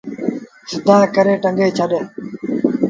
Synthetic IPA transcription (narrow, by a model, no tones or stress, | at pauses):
sɪd̪aːkəɾeːʈəŋɡeːt͡ʃʰəɗẽː